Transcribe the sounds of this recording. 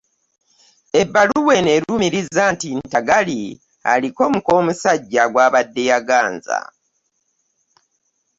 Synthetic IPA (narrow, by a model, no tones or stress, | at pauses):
e̞bːaluwe̞neɾumiɾizaːntintaɡali | a̰liko̞muko̞ːmusaɟːaɡwaːβadːejaɡaːnza̰